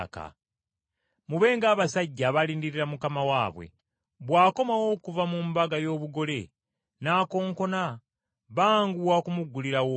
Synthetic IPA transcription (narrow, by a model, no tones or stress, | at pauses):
ka̰ | muβe̞ːŋɡaːβasaɟːaβaliːndiɾiɾamukamawaːβwe̞̰ | βwaːko̞mawo̞ːkuvamumbaɡajo̞ːβuɡo̞le̞ | naːko̞ːŋko̞na | βaːŋɡuwakumuɡːuliɾawo